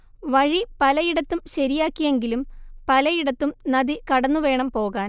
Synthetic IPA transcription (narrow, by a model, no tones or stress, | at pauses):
ʋɐɻipɐlɐjiɽɐt̪ːumɕɐɾijaːkːije̞ŋɡilumpɐlɐjiɽɐt̪ːumnɐðikɐɽɐnːuʋe̞ːɳɐmpo̞ːɣaːn